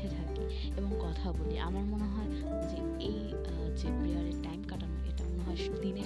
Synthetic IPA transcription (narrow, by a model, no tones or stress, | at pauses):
et̪ʰaki | eboŋkɔt̪ʰaboliʔamaɾmoneɦɔe | d͡ʑe | ej | d͡ʑebiaɾeʈajmkaʈanoḛʈamonoɦɔeʃud̪ʱine